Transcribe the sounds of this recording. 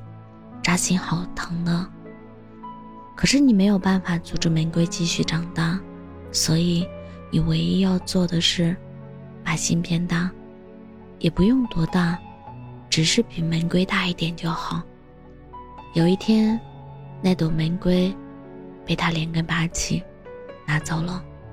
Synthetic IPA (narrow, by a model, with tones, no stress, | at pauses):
ʈ͡ʂa˧˥ɕi˧˥ŋxɑ˨˩ʊt̪ʰɤ˧˥ŋnə˧ | kʰɤ˨˩ʂɻ̩˥˩ni˨˩me˧˥jo˨˩ʊpa˥˩nfa˨˩t͡su˧˥˩ʈ͡ʂɻ̩˥˩mə˧˥nkwe˥ɪt͡ɕi˥˧ɕy˥˩ʈ͡ʂɑ˨˩ŋt̪a˥˩ | swɔ˧˥i˧˩ | ni˨˩we˧˥ɪi˥jɑ˥˧ʊt͡swɔ˥˩d̪ə˩ʂɻ̩˥˩ | pa˨˩ɕi˥npjɛ˥˧nt̪a˥˩ | jɛ˨˩pu˧˥jʊ˥˩ŋt̪wɔ˥t̪a˥˩ | ʈ͡ʂɻ̩˨˩ʂɻ̩˥˩pi˨˩mə˧˥nkwe˥ɪt̪a˥˧i˥˩t̪jɛ˨˩nt͡ɕjo˥˩ʊxɑ˨˩˦ʊ | jo˨˩ʊi˥˩t̪ʰjɛ˥n | na˥˩ɪt̪o˨˩ʊmə˧˥nkwe˥ɪ | pe˥˩ɪt̪ʰa˥ljɛ˧˥nkə˥npa˧˥˧t͡ɕʰi˨˩ | na˧˥t͡sɑ˥˩ʊlə˧˩